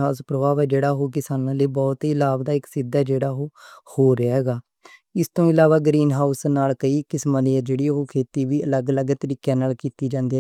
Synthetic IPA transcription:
aːʊspɾəʋaːʋɛːd͡ʒeːɽaːɦoːkɪsaːnãːleːbɔːt̪iːɪlaːbd̪aːɪksɪd̪ːaːd͡ʒeːɽaːɦoːhoːɾeaːɦɛːɡaː | ɪst̪õːɪlaːʋaːɡɾiːnɦaːʊsnaːlkəiːkɪsmaːniəd͡ʒeːɽiːɦoːkʰeːt̪iːʋiːələɡələɡt̪əɾiːkjãːnaːlkiːt̪iːd͡ʒãːnd̪eː

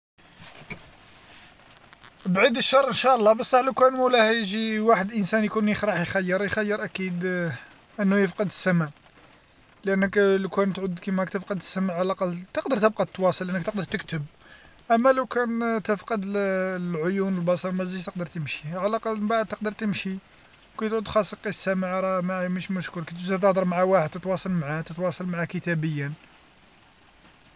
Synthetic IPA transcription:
bʕid̪əʃːɑrˤʔənʃæʔəlˤːɑbɑsˤːɑħləwkænmuwlæhjʒiwaħəd̪ʔənsænjkunjəxɾˤɑħjxæjːəɾˤjxæjːəɾˤʔækid̪ | ʔənːʊjəfqəd̪əsːæmæ | lʔənːəkləkænt̪ʕud̪kimhækt̪əfqəd̪əsːæmaʕalæqɑlt̪əqd̪əɾˤt̪əb̚qɑt̪ːwɑsˤəlʔənːəkt̪əq̚d̪əɾt̪əkt̪əb̚ | ʔæmːæləwkænt̪əfqəd̪əllʕojunəlbɑsˤɑɾmæzəʒt̪əq̚d̪əɾt̪əmʃi̥ʕalʔɑqɑlbaʕd̪̚t̪əq̚d̪əɾˤt̪əmʃi | wkæjt̪ʕʊd̪xɑsˤːəlqiʃsːæmaʕɾˤɑmæməʃməʃkuɾkæt̪ʒd̪æt̪̬əhd̪əɾˤmʕawaħəd̪̚t̪ət̪wɑsˤɑlmʕat̪ət̪wɑsˤɑlmaʕakət̪æbəjːən

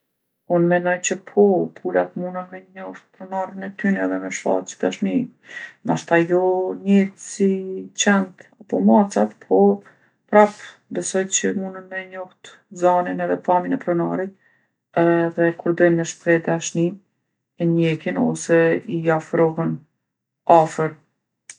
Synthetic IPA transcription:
unmɛnɔjt͡ɕəpʰɔpʰulat̪munənmɛɲɔht̪̚pɾɔnaɾinɛt̪ynɛðɛmɛʃfa̰lt͡ʃə̥d̪aʃnimaʃt̪ajɔɲɛsit͡ɕɛnt̪apɔmat͡sat̪pʰɔ | pɾap | bɛsɔjt͡ɕəmunənmɛɲɔht̪ | zaninɛðɛpaminɛpɾɔnaɾi | ɛðɛkuɾd̪ɔjnmɛʃpɾɛd̪aʃni | ɛɲɛkinɔ̰sɛiafɾɔɦən | afəɾ

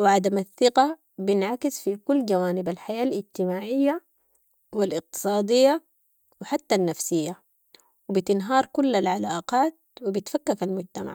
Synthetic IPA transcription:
wɪʕad̪amaθːɪqa | bɪnʕakɪsfikulːd͡ʒawaːnibalħajaːlʔɪd͡ʒt̪ɪmaːʕɪjːa | wilʔɪq̚t̪ɨ̥sˤɑːd̪ijːa | wɪħat̪ːanːafsijːa | wibit̪ɪnɦɑːɾˤkulːalʕalaːʔqɑːt̪̚wibit̪fakːakalmʊd͡ʒt̪ama̰ʕ

